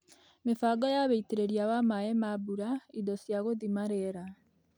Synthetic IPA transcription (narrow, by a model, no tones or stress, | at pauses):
mefaɡɔjaβeiteɾeɾiaβamaɛmabuɾaidɔsjaɣoðimaɾɛɾa